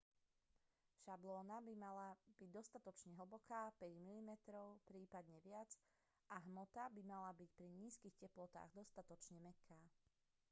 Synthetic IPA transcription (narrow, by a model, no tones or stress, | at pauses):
ʃablɔːnabimalab̥iɟd̪ɔst̪at̪ɔt͡ʃɲɛɦl̩bɔkʰaːpɛɟmilimɛt̪ɾɔʊpɾiːpad̪ɲɛʋɪad͡z | ʔaɦmɔt̪abimalabicpɾiɲiːskixcɛplɔt̪a̰ːɣd̪ɔst̪at̪ɔt͡ʃɲɛmɛkʰaː